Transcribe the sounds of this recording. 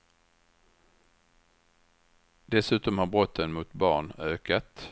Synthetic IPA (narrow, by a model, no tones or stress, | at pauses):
d̪ɛsʉ̟ːt̪ɔmhaɾbɾɔt̪ʰːənmʊt̪bɑ̰ːɳøːkat̪